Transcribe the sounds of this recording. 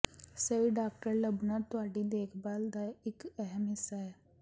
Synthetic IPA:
səiɖaːk̚ʈəɾləbnat̪ʊaːɖid̪eːkʰbaːld̪aɪkɛɦɛmɪsaɛː

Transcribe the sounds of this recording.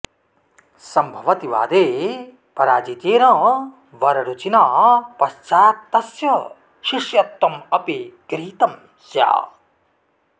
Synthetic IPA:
sɐmbʱɐʋɐt̪iʋa̰ːd̪eː | pɐɾaːd͡ʒit̪eːɾɐ̃ | ʋɐɾɐɾut͡ʃinaːpɐst͡ʃaːt̪ːɐsjɐ | ʃiʂjɐt̪ːɐmɐpiɡɾiːt̪ɐm | sja̰ː

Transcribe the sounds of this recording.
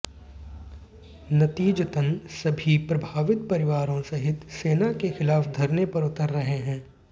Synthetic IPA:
nɐt̪iːd͡ʒt̪ənsɐbʱipɾɐbʱaːʋɪt̪̚pɐɾɪʋaːɾõsɐɦɪt̪seːnakexɪlaːfd̪ʱɐɾnepɐɾʊt̪əɾːɐɦeɦɛ̃ː

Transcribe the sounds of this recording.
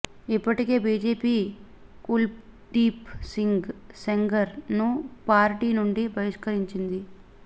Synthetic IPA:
ipːɐʈike̞ːbiːd͡ʒe̞ːpiː | kul | ɖiːpsiŋɡseŋɡɐɾnupaːɾʈiːnuɳɖibʱɐʋiʂkɐɾiɲt͡ʃind̪i

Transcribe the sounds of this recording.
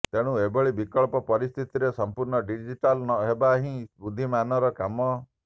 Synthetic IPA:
t̪eɽ̃ũebɔɭibikɔɭpɔpɔɾist̪ʰit̪iɾesɔmpuɾɳɔɖid͡ʒiʈalnɔɦebaɦĩbud̪ʱːimanɔɾɔkamɔ

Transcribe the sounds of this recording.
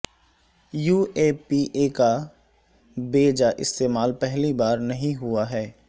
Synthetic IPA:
juːeːpiʔeːka | beːd͡ʒaʔɪ̰st̪eːmaːlpɛɦlibaːɾnɐɦĩɦuaɦɛː

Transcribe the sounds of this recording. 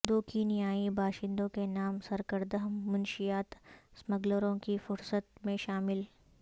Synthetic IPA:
d̪oːkinijaːibaːʃɪ̃nd̪õkenaːmsɐɾkəɾd̪əɦːʊnʃijaːt̪sməɡləɾõkifʊɾsət̪mẽʃaːmɪl

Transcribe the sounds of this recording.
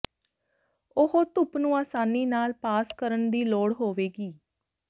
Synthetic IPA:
ʊhoːt̪ʊpnũːaːsaːniːnaːlpaːskəɾəɳd̪iːloːɽɦoːʋeːɡiː

